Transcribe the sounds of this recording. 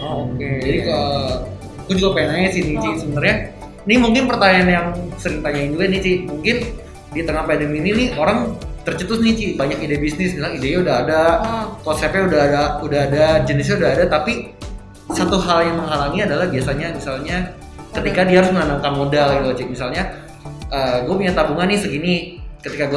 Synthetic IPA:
oked͡ʒadikə | k̪ud͡ʒuɡapenaɛsɪnit͡ʃɪsəbənarɲa | nimuŋkɪnpərt̪aɲanjaŋsəɾiŋt̪aɲaɪnd͡ʒuɡanit͡ʃɪmuŋkɪn | dit̪əŋahpadəmininioɾaŋt̪ərt͡ʃət̪ʊsnit͡ʃɪbaɲakidebisnɪsmisaideɲaudaɦadak̪ɔsapɛudaɦaudaɦadad͡ʒənis̬ɲaudaɦadat̪api | sat̪uɦaljaŋməŋɦalaŋiadalahbiasaɲamisalɲa | kət̪ikadiahaɾʊsməŋanaŋkamodalɡit̪uat͡ʃɪmisalɲa | ʔəːɡuapuɲat̪abuŋanːɪsəɡinikət̪ikaɡua

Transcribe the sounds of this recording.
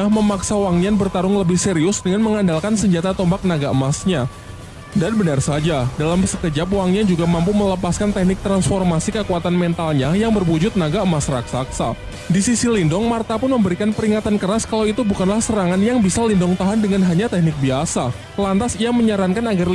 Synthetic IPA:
aməmaksawaŋnianbərt̪aɾʊŋləbɪhseɾiʊsdəŋanməŋandalkansəɲd͡ʒat̪at̪ɔmbak̚naɡaəmasɲa | danbənarsad͡ʒadalamsəkəd͡ʒap̚waŋniand͡ʒuɡamampumələpaskant̪ɛknɪk̚t̪ɾansfɔrmasikəkuat̪anmɛnt̪alɲajaŋbərwud͡ʒʊt̪̚naɡaəmasraksaksa | disisilindʊŋmart̪apʊnməmbəɾikanpəɾiŋat̪ankəɾaskalawit̪ubukanlahsəɾaŋanjaŋbisalindʊŋt̪aɦandəŋanɦaɲat̪ɛk̚nɪk̚biasa | lant̪asijaməɲaɾankanaɡar

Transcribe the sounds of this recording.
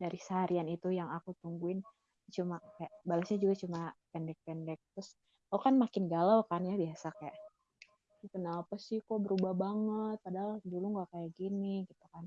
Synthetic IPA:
daɾisaɦaɾianit̪ujaŋakut̪uŋɡuɪn | t͡ʃumakajaʔbalasɲad͡ʒuɡat͡ʃumapɛndɛk̚pɛndɛk̚t̪ɾʊs | okanmakɪnɡalawkanjabiasakajaʔ | kənapasihkobəɾubahbaŋət̪̚adalduluŋɡakajaʔɡinɪkit̪akan

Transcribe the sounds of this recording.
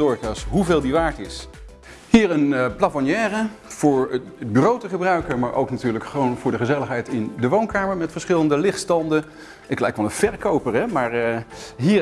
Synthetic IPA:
ʊɹkasɦuveːlˠdiʋaːɹtɪs | hiːɹənplafɔnjɛːrəv̥ʊːɹbyrowtəχəbrœɥkəɹmaːɹʔo̰wknatyːɹləkχəʋownvʊːɹdəχəzɛləχɦɛjtɪndəʋownkaːməɹmɛtfəɹsχɪləndəlɪχtstɑndə | ʔɪklɛjkʋɑlənv̥ɛɹkowpəɹɦɛmaːɹɦiː

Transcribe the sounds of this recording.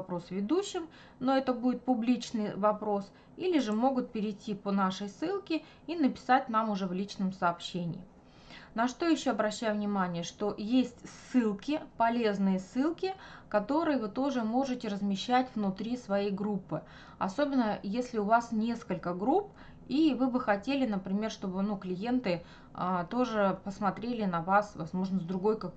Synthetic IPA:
ɐpɾo̞svʲɪd̪uɕːɪm | no̞ɛt̪əbudʲɪt̪̚pʊblʲit͡ɕnɨjvɐpɾo̞s | ilʲɪʐɨmo̞ɡʊt̪̚pʲɪɾʲɪjtʲːiponaʂəjsɨlˠkʲɪ | inəpʲɪ̥sat̚ʲn̪amʊʐɛvlʲit͡ɕnəmsɐːpɕːenʲɪ̰jː | nɐʂt̪o̞jɪɕːoɐbɾɐɕːæjʊvnʲɪmanʲɪjəʂt̪o̞jesʲtʲsːɨlˠkʲɪpɐlʲe̞znɨjəsːɨlˠkʲɪkɐt̪o̞ɾɨjəvɨt̪o̞ʐɨmo̞ʐɨtʲɪɾəzmʲɪɕːætʲvnʊt̪ɾʲisvɐjejɡɾupːɨ | ɐ̰so̞bʲɪnːəjesʲlʲɪʊvasnʲe̞skəlʲkəɡɾup | ivɨbɨxɐtʲelʲɪnəpɾʲɪmʲe̞rʂt̪o̞bɨnuklʲɪje̞nt̪ɨ | ət̪o̞ʐɨpəsmɐt̪ɾʲelʲɪnɐvasvɐzmo̞ʐnəzd̪ɾʊɡo̞jkak

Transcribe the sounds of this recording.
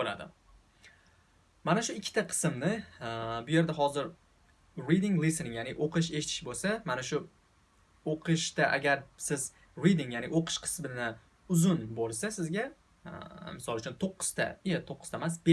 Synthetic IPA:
bola̰d̪ɪ̰ | manaʃʊɪkʲʰːɪt̪ʰaqʰɨ̥smnɪbʊje̞ɾd̪aɦɒzɪɾ | ɾid̪ɪŋlˠɪsnɪŋjanɪʔoqʰɨʃe̞ʃɪt̪ʰɪ̥ʃbolsamanaʃʊ | oqʰɨʃt̪aʔa̰ɡʲaɾsɪz | ɾid̪ɪŋjaːnɪʔoqʰɨ̥ʃqʰɨ̥smɪnɪ | ʊzʊnbolˠsasɪzɡʲa | mɪsɒlˠʊt͡ʃʰʊnt̪ʰoqʰːɨ̥z̥t̪ʰa̰jat̪ʰoqʰːɨz̥t̪amas̬be

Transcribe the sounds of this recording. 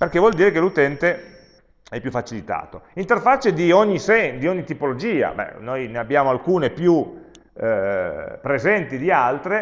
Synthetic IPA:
perkevwɔld̪iːɾekelut̪ɛnt̪e | ɛpːjufːat͡ʃilit̪a̰ːt̪oint̪erfat͡ʃːed̪ioɲːisɛd̪ioɲːit̪ipolod͡ʒiːa̰bɛ̰nojneabːjaːmoalkuːnepju | pɾezɛnt̪id̪ialt̪ɾe

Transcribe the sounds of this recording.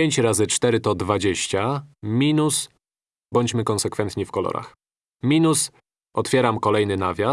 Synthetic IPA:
eɲt͡ɕɾazɘt͡ʂt̪ɛɾɘt̪ɔd̪vad͡ʑeɕt͡ɕamʲinus | bɔɲt͡ɕmɘkɔnsɛkfɛnt̪ɲifkɔlɔ̰ɾa̰x | mʲinus | ɔt̪fʲjɛɾamkɔlɛjnɘnavʲa

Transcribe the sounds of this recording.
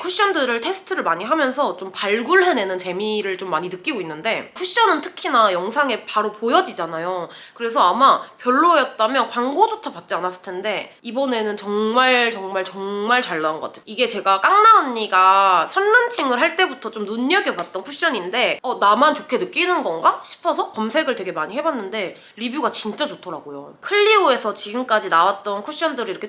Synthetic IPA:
kʰuɕ͈ʌndɯɾɯɭtʰe̞sʰɯ̥tʰɯɾɯɭmaɲiɦamjʌnsʰʌt͡ɕompaɭɡuɭɦe̞ne̞nɯnt͡ɕe̞miɾɯɭt͡ɕomːaɲinɯk͈iɡoinːɯnde̞kʰuɕ͈ʌnɯntʰɯ̥kʰinajʌŋsʰaŋe̞paɾopojʌd͡ʑid͡ʑanajo | kɯɾe̞s̬ʰʌamapjʌɭːojʌt̚t͈amjʌnkwaŋɡod͡ʑot͡ɕʰapat̚t͡ɕ͈ianas͈ɯ̥ɭtʰe̞nde̞ | ibʌne̞nɯnt͡ɕʌŋmaɭt͡ɕʌŋmaɭt͡ɕʌŋmaɭt͡ɕaɭːanɡʌk͈atʰeoiɡe̞t͡ɕe̞ɡak͈aŋnaoɲːiɡasʰʌnːɯnt͡ɕʰiŋɯɭɦaɭt͈e̞butʰʌt͡ɕomnuɲːʌɡepat̚t͈ʌnkʰuɕ͈ʌɲinde̞ʌnamant͡ɕokʰe̞nɯk͈inɯnɡʌnɡaɕʰi̥pʰʌsʰʌkʌmsʰe̞ɡɯɭtwe̞ɡe̞maɲiɦe̞banːɯnde̞ | ɾibuɡat͡ɕint͡ɕ͈at͡ɕotʰʌɾaɡojo̰kʰɯʎːioe̞sʰʌt͡ɕiɡɯmk͈ad͡ʑinawat̚t͈ʌnkʰuɕ͈ʌndɯɾiiɾʌkʰe

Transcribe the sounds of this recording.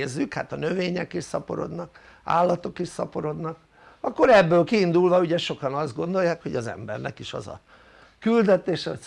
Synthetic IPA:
zːykha̰ːt̪ɒnøveːɲɛkiʃsɒpo̞̰ɾo̞̰d̪nɒk | a̰ːlːɒt̪o̞kiʃsɒpo̞ɾo̞d̪nɒk̚ | ɒkːo̞ɾɛbːøːlkiːnd̪ulvɒuɟɛʃo̞kɒnɒzd̪ɡo̞nd̪o̞jːaːkho̞ɟɒzɛ̰mbɛ̰rnɛ̰kiʃɒ̰zɒ̰ | kyld̪ɛt̪eːʃɛo̰

